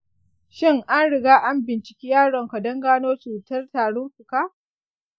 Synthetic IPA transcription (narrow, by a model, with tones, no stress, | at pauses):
ʃɪ˦ŋʔa˦nɽɪ˨ɡaː˦ʔa˦mbɪ˨nt͡ʃɪ̥˨kʲiː˦jaː˦ɽɔ˨ŋkɐ˨dɐ˦ŋɡaː˦noː˦t͡ʃuː˨tɐ˦rtaː˨ɽʊ˦ŋɸʷʊ˨kaː˦